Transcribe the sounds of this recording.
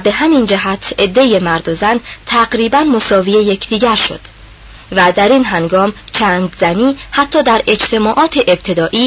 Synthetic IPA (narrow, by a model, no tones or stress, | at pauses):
be̞ɦæmind͡ʒæɦæt̪ʰe̞d̪ːe̞jemæɾd̪ozænt̪ʰæɡɾiːbænmo̞sɒːvijeje̞cʰd̪̥iːɟæɾʃo̞̰d̪̥ | væd̪æɾiːnɦæŋɡɒːmt͡ʃʰæːnd̪zæniːhæt̪ʰːɒːd̪æɾe̞d͡ʒt̪ʰe̞mɒːʔɒːt̪ʰeʔeb̚t̪ʰe̞d̪ɒːʔiː